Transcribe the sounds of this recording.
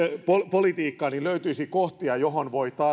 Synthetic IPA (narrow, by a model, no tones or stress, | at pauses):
popolit̪iːkːɑːniløyt̪yisikoht̪iɑjoɦonʋoit̪ɑː